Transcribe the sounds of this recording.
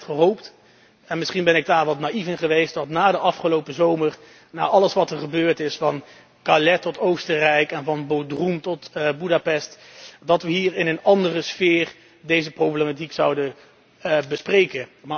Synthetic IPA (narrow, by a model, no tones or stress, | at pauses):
χəɦowpt | ɛnmɪsχinbɛnɪɡ̚daːɹʋɑtnaifɪnχəʋejst̚dɑtnaːdəʔɑfχəlowpəzowməɹ | na̰ːʔɑləsʋɑtəɹχəbøːɹtɪsfɑn | kalɛtɔtowstərɛjkɛnvɑnbowdrumtɔtbudapɛst | dɑtʋəɦiːɹɪnənɑndərəsfɪːr | dejzəprowblematiksɑwdə | bəsprejkənma